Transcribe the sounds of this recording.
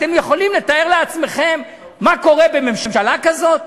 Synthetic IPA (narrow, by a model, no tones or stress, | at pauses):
t̪emjeχo̞limle̞t̪ae̞ʁleat͡sme̞χe̞mː | ako̞ʁebeme̞mʃamʃalakazo̞t̪̚